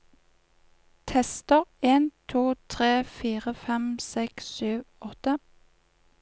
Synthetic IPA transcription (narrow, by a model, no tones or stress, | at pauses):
t̪ʰɛst̪əʁeːnt̪ʰuːt̪ʰʁeːfiːʁəfɛmsɛksyːʋʔɔt̪ə